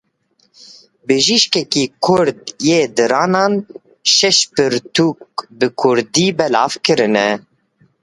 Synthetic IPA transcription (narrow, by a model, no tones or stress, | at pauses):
bɨʒiʃkɛkiːkʰʊɾd̪jeːd̪ɨɾɑːnɑːn | ʃɛʃpɨɾt̪uːk̚bɨkʰʊɾd̪iːbɛlɑ̰ːvkɨɾɨnɛ